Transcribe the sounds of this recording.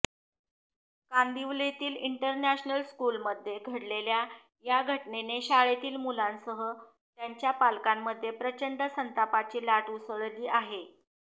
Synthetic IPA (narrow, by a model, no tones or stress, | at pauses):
kand̪iʋlet̪iːliɳʈəɾnæɕnəlskuːlməd̪ʱːjeɡʱəɽlelja | jaɡʱəʈneneɕaɭet̪iːlmulansəɦə | t̪jaɲt͡ɕjapalkamːəd̪ʱːjepɾət͡ɕəɳɖəsənt̪apat͡ɕiːlaʈuːsəɭliːʔaɦe